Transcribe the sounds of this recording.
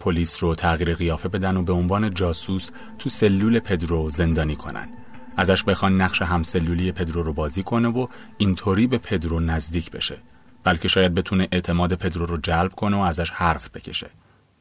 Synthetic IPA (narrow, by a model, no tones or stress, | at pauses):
pʰo̞liːsrot̪ʰæɣiːɾeɣijɒːfe̞be̞d̪ænobe̞onvɒːne̞d͡ʒɒːsus | t̪ʰuːse̞lːuːle̞pʰe̞d̪ɾoze̞nd̪ɒːniːkʰo̞̰nʔæ̰nd̪ | ʔæzæʃbe̞xɒːnːæɣʃe̞ɦæmse̞lːuːlijepʰe̞d̪ɾoɾobɒːziːkʰo̞ne̞voint̪ʰoːɾiːbe̞pʰe̞d̪ɾonæzd̪iːcʰb̥e̞̰ʃe̞ | b̥ælcʰe̞ʃɒːjæd̪̚be̞t̪ʰuneʔeʔt̪ʰe̞mɒːd̪e̞pʰe̞d̪ɾoɾod͡ʒælb̥kʰo̞neoæzæʃhæɾfb̥e̞cʰe̞̰ʃe̞̥̰